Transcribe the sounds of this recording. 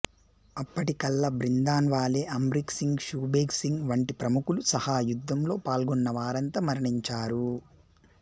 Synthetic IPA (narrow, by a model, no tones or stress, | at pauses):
ɐpːɐʈikɐlːɐbɾind̪aːnʋaːle̞ːʔɐmɾiksiŋɡʃuːbeːɡsiŋɡʋɐɳʈipɾɐmukulusɐhaːjud̪ʱːɐmlo̞ːpaːlɡɔnːɐʋaːɾɐnt̪ɐmɐɾɐɳiɲt͡ʃaːɾu